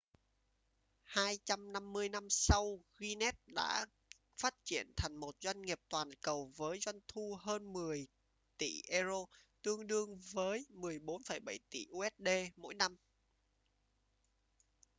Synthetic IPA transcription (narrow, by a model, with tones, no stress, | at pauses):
haː˧jt͡ɕa˧mna˧mːɨ˧əjna˧msa˧wɣi˧nɛ˦˥t̚ɗa̰ː˧˥ | faː˦˥t̚t͡ɕi˧˩ənt̪ʰa˨˩jŋ̟mo˨˩t̚zwa˧jŋ̟ŋi˨˩əp̚t̪waː˨˩nkə˨˩wvəː˨˦jzwa˧jŋ̟t̪ʰu˧ɦəː˧nmɨ˨˩əj | t̪ḭ˧˩ʔɛ˧zo˧t̪ɨ˧əŋɗɨ˧əŋvəː˨˦jmɨ˨˩əjɓo˨˦nfə˧˩jɓa˧˩jt̪ḭ˧˩ʔu˧ʔɛ˦˥t̚ɗe˧mo̰˧˥jna˧m